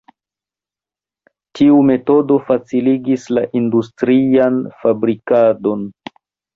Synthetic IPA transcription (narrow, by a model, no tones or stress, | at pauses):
tʰiume̞to̞do̞fat͡siliɡislaʔindustɾianfabɾikado̞n